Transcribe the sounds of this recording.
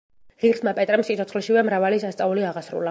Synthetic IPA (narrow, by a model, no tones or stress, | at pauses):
ʁiɾsmapʼɛt̪ʼɾɛmsit̪ʰɔt̪ʰχlɛʃivɛmɾavalisast̪sʼauliaʁasɾṵla